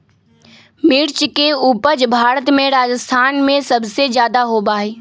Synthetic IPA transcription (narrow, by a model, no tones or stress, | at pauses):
mɪɾt͡ʃkeuːpəd͡ʒbʱaːɾət̪mẽɾaːd͡ʒəst̪ʰaːnmẽsɐbsed͡ʒjaːd̪aɦobaːeː